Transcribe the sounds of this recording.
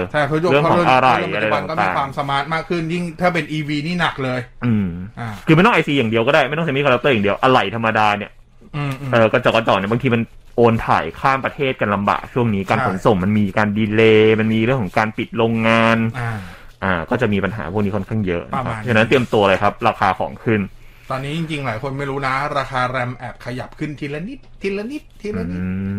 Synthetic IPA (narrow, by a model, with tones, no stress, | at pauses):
a˥˩˦ɾɯ˥˩əkʰɔ˦˥ŋʔa˧ɾa˧˨˩jʔa˧jaa˧˩˨iaː˧˨˩waː˧msa˨˦maː˦˥t̪̚maː˥˩kʰɯ˥˩nji˥˩ŋt̪ʰaː˥˩pe˧nʔiː˧wiː˧niː˥˩na˨˩k̚lɤː˧jʔɯː˧m˧kʰɯ˧a˥˩jt̪ɔ˥˩ʔa˧siː˧jaː˨˩ŋdi˧əkɔː˥˩daː˥˩jma˥˩j̪t̪ɔ˥˩t͡ɕa˦m̚˦˥kʰːɾa˦˥t̪ɤː˥˩ja˨˩di˧əwʔa˧ɾa˨˩jt̪ʰa˧mːa˧daː˧ni˥˩˧ | ʔɤː˨˧˩kɔ˧˥˩t͡ɕɔː˨˩kɔ˧˩t͡ɕɔː˨˩ni˥˩ba˧ŋt̪ʰiː˧ma˧n | ʔoː˧nt̪ʰa̰ː˨˩˦jkʰaː˥˩mpɾa˧t̪ʰeː˥˩t̪̚kaː˧nla˧mba̰ː˨˩k̚t͡ɕʰu˥˩əŋniː˦˥kaː˧nkʰo˩˦nso˨˩mma˧nmiː˧kaː˧ndiː˧leː˧ma˧nmiː˧ɾɯ˥˩əŋkʰɔ˩˦ŋkaː˧npi˨˩t̪̚ɾoː˧ŋːaː˧n | ʔaː˨˧˩kɔː˥˩t͡ɕa˨˩ʔmiː˧pa˧nɦa̰ː˩˦pʰu˥˩k̚niː˦˥kʰnkʰa˥˩ŋjɤ̰˦˥ʔna˦a˦˥˧t͡ɕʰːna˦˥nt̪i˧əmt̪u˧ɐ˧la˧jkʰa˦˥p̚ɾaː˧xʰaː˧kʰɔ̰ː˩˦ŋkʰɯ˥˩n | t̪ɔː˧nːiː˦˥t͡ɕi˧ŋt͡ɕi˧ŋlaː˩˦jkʰo˧nma˥˩jɾuː˦˥na˦˥ɾaː˧xaː˧ɾɛ˧mʔɛ˨˩p̚kʰa˧ja˨˩p̚kʰɯ˥˩nt̪ʰiː˧lɛ˦˥ni˦˥t̪̚ʰːi˧˥lɛ˦˥ni˦˥t̪ʰːi˧˥lni˦